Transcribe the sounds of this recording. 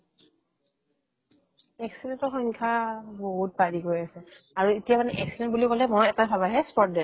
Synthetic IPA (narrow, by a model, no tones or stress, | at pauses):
ɛksidɛntɔxɔŋkʰaboɦut̚badikoɹiasɛ | aɹuetijamanɛʔɛksidɛ̃nt̚bulikɔlɛmɔjatapʰabaɦɛspɔt̚dɛ